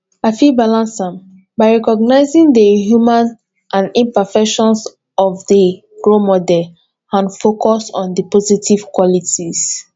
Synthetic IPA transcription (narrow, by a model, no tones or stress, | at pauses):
afibalãnsãm | baɪɹɛkɔɡnaɪzĩŋdəɦjumãn | ʔãnĩmpɛfɛkʃɔ̃ns | ɔvdə | ɡ̥ɹomɔdɛl | ãnfokɔsɔ̰̃ndəpɔzitiv̥kwɔlitʰiz̥